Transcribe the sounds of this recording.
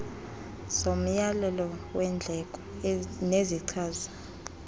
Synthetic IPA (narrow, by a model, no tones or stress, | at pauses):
som̩jalɛlɔwɛnd͡ɮʱɛkʼɔ | neziǀʰaːzḁ